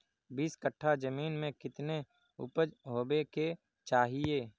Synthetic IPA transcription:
biːskəʈʰːad͡ʒəmiːnmẽkɪt̪ne | ʊ̰pəd͡ʒɦoːbeke | t͡ʃaːɦieː

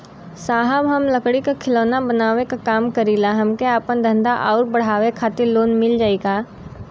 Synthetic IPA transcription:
saːɦəbɦɐmlɐkɽikakʰɪloːnabɐnaːʋekakaːmkɐɾiːlaɦɐmkeaːpənd̪ʱɐ̃nd̪aʔaːɾbɐɽ̤aːʋekʰaːt̪ɪɾloːnmɪld͡ʒaːiɡaː

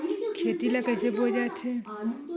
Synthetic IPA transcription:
kʰeːt̪ilakəjsebod͡ʒat͡ʃʰe

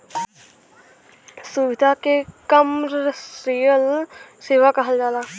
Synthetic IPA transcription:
suʋɪd̪ʱakekɐmɾijəlseːʋakɐɦəld͡ʒaːlaː

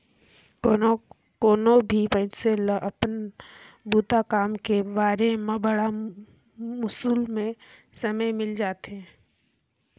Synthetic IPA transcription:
koːnobʱipə̃ɪtseləʔəpn | buːt̪akaːmkebaːɾemẽbəɽa | mʊsuːlmẽ | səməjmɪld͡ʒaːt̪eɦɛ̃ː

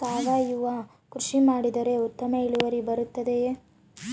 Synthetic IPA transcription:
t̪aːʋaːjuʋɐ | kɾuʂimaːɽid̪ɐɾe̞ut̪ːɐmɐiɭuʋɐɾibɐɾut̪ːɐd̪e̞

